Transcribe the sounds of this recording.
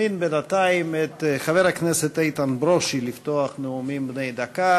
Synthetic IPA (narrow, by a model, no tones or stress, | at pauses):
inbenat̪aimet̪χaveɾakneset̪ait̪anbɾoʃilift̪oaχneumimbnejd̪aka